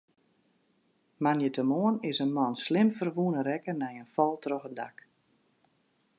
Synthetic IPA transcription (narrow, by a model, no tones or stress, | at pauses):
manjətəmoənɪsənmɔnslɪmfərʋuənəɾɛkənɛjənfɔlˠtrɔxədak